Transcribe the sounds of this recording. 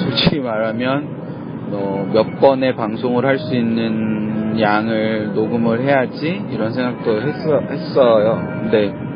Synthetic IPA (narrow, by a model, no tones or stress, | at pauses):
sʰot͡ɕʰiɡimaɾamjʌn | ʌmjʌp͈ʌne̞paŋsʰoŋɯɾɦaɭs͈uinːɯnjaŋɯɭnoɡɯmɯɭɦe̞jad͡ʑiiɾʌnsʰe̞ŋɡak̚t͈oɦes͈ʌhe̞s͈ʌjo | ne̞